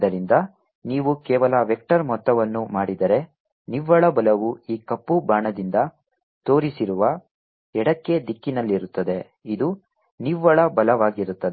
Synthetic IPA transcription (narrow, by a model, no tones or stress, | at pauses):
d̪ɐɾind̪ɐ | niːʋukɛːʋɐlɐʋek̚ʈɐɾmɔt̪ːɐʋɐnːumaːɽid̪ɐɾe̞ | niʋːɐɭɐbɐlɐʋuiːkɐpːubaːɳɐd̪ind̪ɐ | t̪o̞ːɾisiɾuʋɐ | ɛɽɐkːe̞d̪ikːinɐlːiɾut̪ːɐd̪e̞ | id̪u | niʋːɐɭɐbɐlɐʋaːɡiɾut̪ːɐd̪